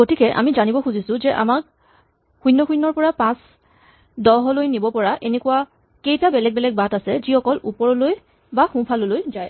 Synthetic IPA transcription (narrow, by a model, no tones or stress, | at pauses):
ɡotikɛʔa̰mizanibɔxuzisʊ̃zɛʔa̰mak̚ | xujnːɔxujnːɔɹpɔɹapãs | dɔɦɔlojnibɔpɔɹaʔenɛkuwa | kejtabɛlɛɡ̚bɛlɛɡ̚batasɛzixɔkɔlupɔɹɔloj | baxũpʰalolojzaj